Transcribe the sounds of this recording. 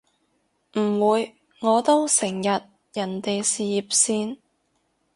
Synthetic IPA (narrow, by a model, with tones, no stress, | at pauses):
m̩˨˩wuː˨˧j | ŋɔː˨˧t̪o˥wsɪ˨˩ŋjɐ˨t̚ | jɐ˨˩nt̪e˨jsiː˨ji˨p̚siː˧n